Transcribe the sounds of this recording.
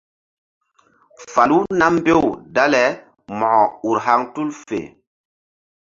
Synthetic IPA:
fa˨lu˦na˦m˦be˦wda˦lɛ˨˦ | mɔ˨ɔ˨u˨ɾɦa˦ŋtu˦lfḛ˨

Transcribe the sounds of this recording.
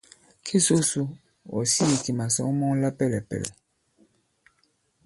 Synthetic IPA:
kʰe˦so˦su˦ | ɔ̰˨si˦i˨ti˨ma˨sɔ̰˦ŋ˦mɔ˦ŋ˦la˦pɛ˦˨lɛ˨pɛ̰˨lɛ˨

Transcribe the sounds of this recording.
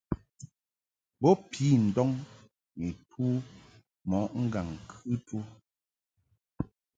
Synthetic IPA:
bɔ˦pʰiː˦n̩˨dɔ˦ŋ | mi˨tʰuː˦ | mɔ˨˦ʔŋ̩˦ɡa˨ŋ˨kʰɨ˦tu˦

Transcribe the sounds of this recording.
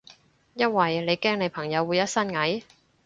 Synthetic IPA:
jɐ˥n̚wɐ˨jle˨˧jkɛː˥ŋne˨˧jpʰɐ˨˩ŋjɐ˨˧wuː˨˧jɐ˥t̚sɐ˥nŋɐ˨˥j

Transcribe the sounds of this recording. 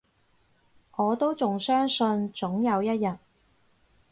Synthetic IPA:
ʔɔː˨˧t̪o˥wt͡sʊ˨ŋsœː˥ŋsɵ˧nt͡sʊ˨˥ŋjɐ˨˧wjɐ˥t̚jɐ˨t̚

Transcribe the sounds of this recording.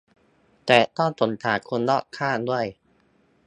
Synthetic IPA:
t̪ɛː˨˩t̪ɔ˥˩nt̪o˨˩˦nt̪ʰaː˨˩˦kʰo˧nlɔː˥˩kʰːaː˥˩du˥˩əj

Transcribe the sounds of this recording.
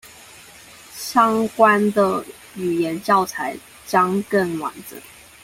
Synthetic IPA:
ɕjɑ˥ŋkwa˥nd̪ə˨ | y˨˩jɛ˧˥nt͡ɕjɑ˥˩ʊt͡sʰa˧˥ɪ | t͡ɕjɑ˥ŋkə˥˩ŋwa̰˨˩nd͡zə̰˨˦

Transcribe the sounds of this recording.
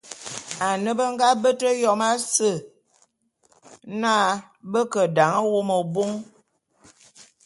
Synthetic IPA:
a˨nə˦bə˦ŋ˦ɡa˦bə˦tə˦jɔ˦ma˦sə˦˨ | na˦ | bə˦kə˨da˨ŋə˦wo˦mə˨bo˦ŋ

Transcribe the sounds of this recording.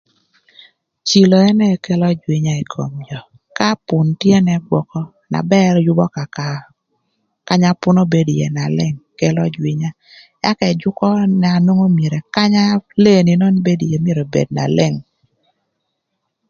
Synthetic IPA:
t͡ʃi˨lo˨ɛ˦nɛ˦kɛ˦lɔ˦d͡ʒwi˨ɲa˦i˨kʰo̰˨md͡ʒɔ˨ | ka˦pʊ˨ntje˦nɛ˦ɡwɔ˨kɔ˦ | na̰˨bɛ˦rjʊ˦bɔ˦ka˨ka˨ | ka˦ɲa˦pʊ˦no˦be˦djḛ˨na˨lɛ˦˨ŋkɛ˦lɔ˦d͡ʒwi˦ɲa˦ | ja˦kɛ˨d͡ʒʊ˦kɔ˦nɛ˨a˨no˦ŋo˦mje˨ɾe˨ka˦ɲa˦le˦˨ni˨nɔ˦nbe˦dje˨mje˦ɾo˨bḛ˨d̚na̰˨lɛ˦˨ŋ

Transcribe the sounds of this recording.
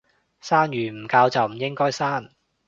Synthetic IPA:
saː˥njyː˨˩m̩˨˩kaː˧wt͡sɐ˨wm̩˨˩jɪ˥ŋkɔː˥jsaː˥n

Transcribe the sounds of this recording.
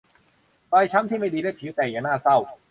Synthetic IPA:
paː˧jt͡ɕʰa˦˥mt̪ʰiː˥˩ma˥˩jdiː˧daː˥˩jpʰiː˨˦wt̪ɛː˨˩ŋjaː˨˩ŋnaː˥˩sa˥˩w

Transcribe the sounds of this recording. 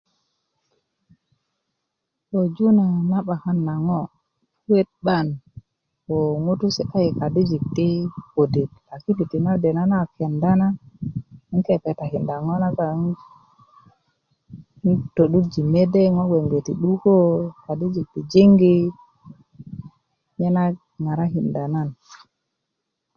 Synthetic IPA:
to˨d͡ʒu˦na˨na˦ɓa˨ha˦nːa˨ŋo˦ | fwe˦t̪̚ɓa˦˨n | wo˨ŋo˦tu˦si˨a˦ji˨ka˨di˦d͡ʒi˨k̚ti˦ko˨di˨t̚a˨ki˦pi˨ti˨na˦de˨na˦na˦˨ki˨a˨nda˦na˦ | i˦ŋke˦pe˨ta˨hi˨nda˨ŋo˦na˦ka˨˦ | n˦to˨ɗu˦d͡ʒi˨me˦de˦ŋo˦we˨ŋɡe˨ti˨ɗu˦ko˦ka˨di˦d͡ʒi˨k̚ti˨d͡ʒi˦ŋɡi˦ | ɲe˦na˦ | ŋa˨ɾa˦ɦi˨nda˨na˦˨n

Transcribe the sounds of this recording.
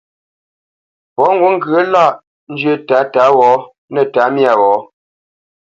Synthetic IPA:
pɔ˨˦ŋ̩˦ɡu˦ŋ˦ɡɰə˦la˦˨ʔ | n̩˦d͡ʒɥə˦˨taː˨˦ta˨˦wɔː˨˦ | nə˨ta˨˦mja˨wɔː˨˦

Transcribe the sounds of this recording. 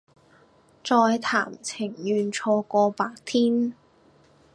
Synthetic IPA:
t͡sɔː˧jt̪ʰa̰ː˨˩mt͡sʰɪ˨˩ŋjyː˨˧nt͡sʰɔː˧kɔː˧paː˧k̚t̪ʰiː˥n

